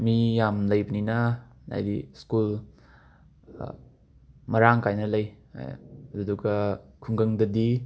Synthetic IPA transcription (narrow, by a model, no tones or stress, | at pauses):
mijamlɐjbɐninɐ | a̰jdiskul | mɐɾaŋkajnɐlɐj̰ | ɐdduɡɐkʰuŋɡɐŋdɐdi